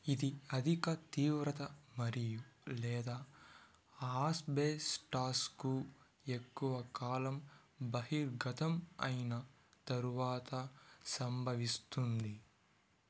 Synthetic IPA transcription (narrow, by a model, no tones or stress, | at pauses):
id̪iɐd̪ʱikɐt̪iːʋɾɐt̪ɐmɐɾijulɛːd̪aː | aːsbeːsʈaːsku | ekːuʋɐkaːlɐm | bɐɦiɾɡʱɐt̪ʰɐmɐ̰jnɐ | t̪ɐɾuʋaːt̪ɐsɐmbʱɐʋist̪und̪i